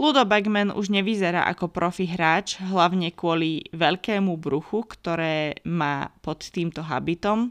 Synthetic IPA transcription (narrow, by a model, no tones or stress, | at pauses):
lud̪ɔbɛɡmɛnṵʒɲɛʋizɛɾa̰ːʔa̰kɔpɾɔfiɦɾaːt͡ʃɦlaʊɲɛkʊɔliʋɛʎkɛːmubɾuxukt̪ɔɾɛːma̰ːpɔt̪ːiːmt̪ɔɦa̰bit̪ɔm